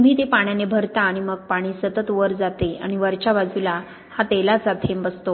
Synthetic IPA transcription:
mb̤ʱiːt̪epaɳjanebʱəɾt̪aːɽ̃iməɡ̚paɽ̃iːsət̪ət̪ʋəɾd͡zat̪ea̰ɽ̃iʋəɾt͡ɕaʋad͡zula | hat̪elasat̪ʰembəst̪o

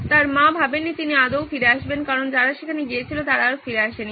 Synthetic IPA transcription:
t̪aɾmabʱabenːit̪iniad̪owfiɾeaʃbenkaɾond͡ʑaɾaʃekʰaneɡiet͡ɕʰilot̪aɾafiɾeaʃeni

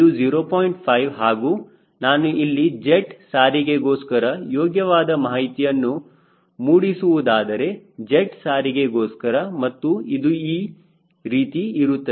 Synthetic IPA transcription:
id̪ud͡ʒiːɾoːpoːjiɳʈpʰɐjʋɦaːɡuː | naːnuʔilːid͡ʒeʈsaːɾiɡe̞ɡoːskɐɾɐjɔːɡjɐʋaːd̪ɐmaːɦɦit̪ijɐnːu | muːɽisuʋud̪aːd̪ɐɾe̞d͡ʒeʈsaːɾiɡe̞ɡoːskɐɾɐmɐt̪ːuid̪uiː | ɾiːt̪iiɾut̪ːɐ

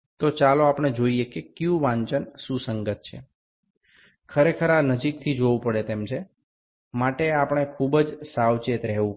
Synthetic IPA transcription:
t̪ot͡ʃaloapəɳ̃ed͡ʒoiekekjũʋãɲt͡ʃənsũsəŋɡət̪̚t͡ʃʰḛ | kʰəɾekʰəɾanəd͡ʒik̚t̪ʰid͡ʒoʋũpəɽet̪emt͡ʃʰe | maʈeapəɽ̃ekʰubəd͡ʒsawt͡ʃet̪ɾɛɦʋũ

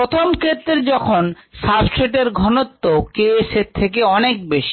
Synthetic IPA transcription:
ɾot̪ʰomkʰet̪ːɾed͡ʑɔkʰonsapseʈeɾɡʱɔnot̪ːokeeset̪ʰːekeɔnek̚beʃi̥

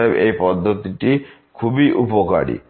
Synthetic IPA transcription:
ebejpɔd̪ʱːot̪iʈi | kʰubiʔupoka̰ɽḭ

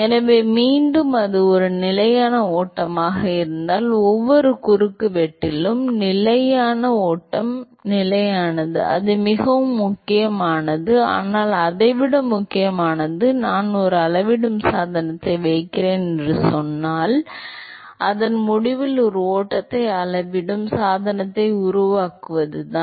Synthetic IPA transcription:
ɛnɐʋeːmiːɳɖɯmɐðɯɔɾɯnɪlɐjaːnɐoːʈːɐmaːɣɐɪɾɯnd̪aːlɔʋːɔɾɯkʊɾɯkːɯʋɛʈːɪlɯmnɪlɐjaːnɐoːʈːɐm | nɪlɐjaːnɐðɯ̰ɐ̰ðɯmɪɣɐʋɯmːʊkːɪjɐmaːnɐðɯa̰ːnaːlɐðɐɪʋɪɽɐmːʊkːɪjɐmaːnɐðɯnaːnɔɾɯɐɭɐʋɪɽɯmsaːðɐnɐt̪ːɐɪʋɐɪkːɪɾeːnɛndrɯsɔnːaːl | ʔɐðɐnmʊɽɪʋɪlɔɾɯoːʈːɐt̪ːɐɪɐɭɐʋɪɽɯmsaːðɐnɐt̪ːɐɪʊɾʊʋaːkɯʋɐðɯt̪ãː

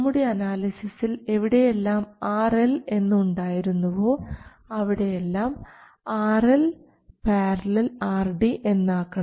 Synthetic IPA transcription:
mːuɽe̞ɐnaːlisisile̞ʋiɽejelːaːmaːrele̞nːuuɳɖaːjiɾunːuʋo̞ː | ɐʋiɽejelːaːm | aːrel | paːrɐlilaːrɖiʔe̞nːaːkːɐɳ

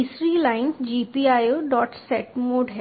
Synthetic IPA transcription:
isɾilaɪnsd͡ʒipiajoɖɔːʈsɛʈmoːɖɦɛ

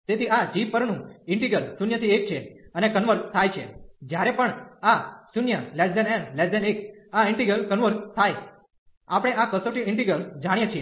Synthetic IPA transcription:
t̪et̪ʰiad͡ʒiʋpəɾɳũɪɳʈiɡəlsunjət̪ʰiek̚t͡ʃʰeənekənʋəɾt̪ʰajt͡ʃʰed͡ʒjaɾepəɳasunjəlesdɛnɛnlesdɛnekaɪɳʈiɡɾəlkənʋəɾst̪ʰaj | apɽ̃eakəsoʈiɪ̃ɳʈiɡɾəld͡ʒaɽ̃jet͡ʃʰie

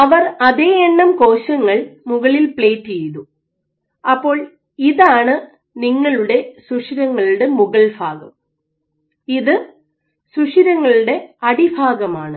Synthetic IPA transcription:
ɐʋɐrɐðe̞ːeɳːɐmko̞ːɕɐŋːɐɭmuɣɐɭilpɭeːtːt͡ɕejðu | ɐpːo̞ːɭ | iðaːɳɨ | niŋːɐɭuɽe̞suʂiɾɐŋːɐɭuɽemuɣɐɭbʱaːɡɐm | iðɨ | suʂiɾɐŋːɐɭuɽe̞ɐɽibʱaːɡɐmaːɳɨ

